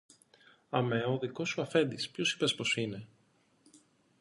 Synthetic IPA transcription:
ɐmeoðiko̞suɐfe̞nd̪ispço̞si̥pespo̞sine̞

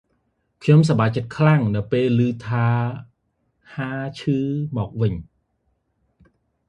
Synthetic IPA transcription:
kʰɲoms̬ɑɓaːj̚t͡ɕət̪̚kʰlaŋnɨwpeːlːɨːt̪ʰaː | haːt͡ɕʰɨːmɔːk̚ʋɨɲ

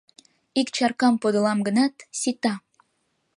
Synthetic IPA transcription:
ikt͡ɕɑrkɑmpod̪ə̆lɑmɡə̆nɑt̪sit̪ɑ

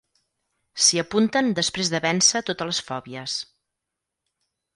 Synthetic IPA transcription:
siəpunt̪ənd̪əspɾezðəβɛnsət̪ot̪ələsfɔβiəs

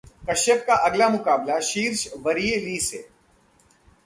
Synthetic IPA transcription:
kɐʃjək̚kaʔɐɡlamʊkaːblaʃiːɾʃʋɐɾijeliːseː

